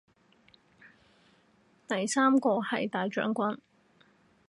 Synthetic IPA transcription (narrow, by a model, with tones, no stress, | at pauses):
t̪ɐ˨jsaː˥mkɔː˧hɐ̰˨jt̪aː˨jt͡ʃœ̰ː˨˥ŋkʷɐ˥n